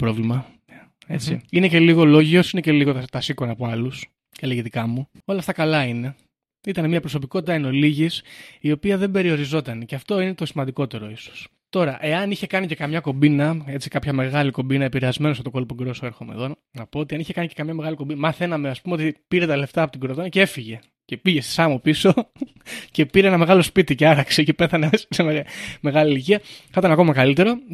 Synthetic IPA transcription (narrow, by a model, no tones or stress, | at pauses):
pɾo̞vlimɐ | e̞̰t͡siine̞ce̞liɣo̞lo̞ʝio̞sine̞ce̞liɣo̞t̪t̪ɐsiko̞nɐpoɐlus | celeɣit̪ikɐmu | o̞lɐft̪ɐkɐlɐine̞ | it̪ɐnemiɐpɾo̞s̬o̞piko̞t̪it̪ɐeno̞liʝisio̞piɐðe̞mbe̞ɾio̞ɾizo̞t̪ɐneceɐft̪o̞ine̞t̪o̞simɐnd̪iko̞t̪e̞ɾo̞iso̥s | t̪o̞ɾɐʔe̞ɐniçe̞kɐnice̞kɐmɲɐko̞binɐe̞t͡sikɐpçɐme̞ɣɐliko̞mbinɐepiɾeɐzme̞nosɐt̪o̞ko̞lpoɡɾo̞soe̞ɾxomḛðon | nɐpoot̪iɐniçe̞kɐnice̞kɐmɲɐme̞ɣɐliko̞mbinmɐθe̞nɐme̞ɐspumeot̪ipiɾe̞t̪ɐle̞ft̪ɐːpo̞t̪iɡɾot̪onɐceefiʝe̞ | ce̞piʝe̞st̪i̥sɐmopiso̞ | ce̞piɾeenɐme̞ɣɐlo̞spit̪iceɐɾɐkse̞ce̞peθɐneessemeɣme̞ɣɐliliciɐkɐt̪ɐnɐko̞mɐkɐlit̪e̞ɾo